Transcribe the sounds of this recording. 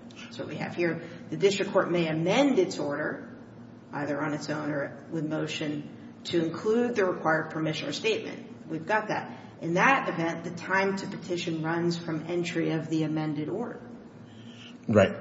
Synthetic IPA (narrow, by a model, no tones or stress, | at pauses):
soʊwiɨ̰v̥hiɹðɨdɪstɹ̥ɨkʰːɔɹt̚meɪɨmɛ̃ndɨtsɔɹɾə˞ | ʔa̰ɪðə˞ə̃nɨtsõʊ̃ñə˞ | wɨðmoʊʃɨ̃n | tʰɨɨ̃nkʰl̥ʉd̪̚ðɨɹɨkʰw̥aɪə˞d̚pʰə˞mɪʃɨ̃nə̰˞steɪt̚mɨ̰̃nt | wivɡɑt̪̚ðɨ̰ɾ | ʔɨ̃nðɨɾɨvɛ̃nðɨtʰãɪ̃mtʰɨpɨtʰɪʃɨ̃nɹʌ̃nz̥fɹʌ̃mɛ̃nt͡ʃɹ̥iʌvðiɨmɛ̃ndɨɾɔɹɾə̰˞ | ɹaɪt̚